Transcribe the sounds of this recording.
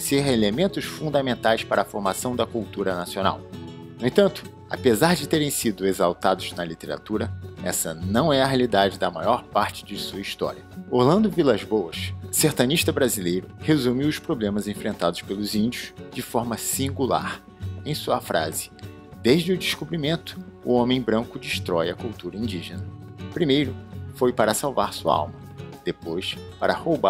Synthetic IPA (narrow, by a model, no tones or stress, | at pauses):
seɦɐelemẽnt̪ʊsfũnd̪ɐmẽnt̪ajspaɾɐːfoɾmasɐ̃w̃d̪ɐkuwt̪uɾɐnasiõna̰w | nũẽt̪ɐ̃nt̪ʊ̥ | a̰pezaɾd͡ʒɪt̪eɾẽj̃sid̪ʊezawt̪ad̪ʊznɐlit̪eɾa̰t̪uɾɐɛ̰sɐ̰nɐ̃w̃ɛɐɦeɐlid̪ad͡ʒɪd̪ɐmajɔɾpaɾt͡ʃɪ̥d͡ʒɪsuɐist̪ɔ̰ɾiɐohlɐ̃nd̪ʊvilazbowɐʃseɾt̪ɐ̃niʃt̪ɐbɾazilejɾʊhezumiɪʊspɾoblẽmɐzẽfɾʔẽnt̪ad̪ʊspelʊzĩnd͡ʒiʊʃd͡ʒɪfɔɾmɐsĩŋɡula̰ɾ | ẽj̃suɐfɾʔa̰zɪ̥ | d̪eʒd͡ʒɪʊd͡ʒiʃkubɾimẽnt̪ʊ̥ːõmẽj̃bɾɐ̃ŋkʊd͡ʒiʃt̪ɾɔjɐkuwt̪uɾɐĩnd͡ʒiʒenɐpɾimejɾʊfojpaɾɐsawvaɾsuɐ̰a̰wmɐ | d̪̥epojspaɾɐhowba